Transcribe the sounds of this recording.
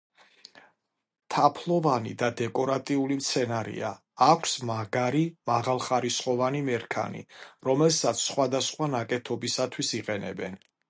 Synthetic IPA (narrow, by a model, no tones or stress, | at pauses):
t̪ʰapʰlˠɔvanḭd̪ad̪ɛkʼɔɾat̪ʼiulimt̪sʰɛnaɾḭa̰ː | kʷʰsmaɡaɾimaʁalˠχaɾisχʼɔvanimɛɾkʰa̰nḭɾɔmɛlsat̪sʰːχwad̪asχwanakʼɛt̪ʰɔbisat̪ʰwisiqʼɛnɛ̰bɛn